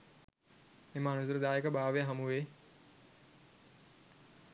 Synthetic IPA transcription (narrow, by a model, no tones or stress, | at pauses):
emaːnusuɾəd̪aːekəbaːʋejaɦɐmuʋeː